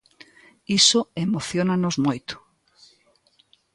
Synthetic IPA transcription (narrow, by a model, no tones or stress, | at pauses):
isoemoθjonanozmojt̪ʊ̥